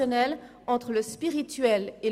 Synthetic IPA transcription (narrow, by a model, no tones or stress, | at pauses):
ɔnɛl | ɑ̃t̪χələspiʁit̪ɥɛle